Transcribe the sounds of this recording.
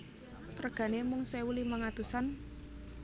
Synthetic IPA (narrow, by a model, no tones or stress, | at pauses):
prəɡ̥ä̤nemʊŋsewulihməŋat̪usan